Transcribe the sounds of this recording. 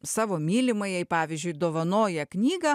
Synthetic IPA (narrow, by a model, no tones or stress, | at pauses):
sɑːʋoːmʲiːlʲɪmɐjɛɪpɑːʋʲizʲd͡ʒʲʊɪd̪oːʋɐnoːjɛknʲiːɡɐ